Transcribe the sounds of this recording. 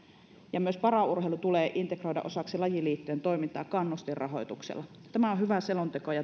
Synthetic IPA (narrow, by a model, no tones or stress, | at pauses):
jɑmyøspɑrɑurheilut̪uleːʔint̪ekro̞idɑ̰ʔosɑksilɑjiliːt̪ːyent̪o̞imit̪ːˑɑːkkɑnːust̪irrʔɑ̰ɦo̞̰jt̪uksḛlːˑɑ | t̪æmæohyʋæselont̪ekojɑ